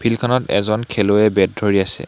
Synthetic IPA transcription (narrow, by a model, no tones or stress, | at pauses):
pʰilkʰɔnɔtɛ̰zɔnkʰɛloɛbɛd̚dʱoɹiasɛ̰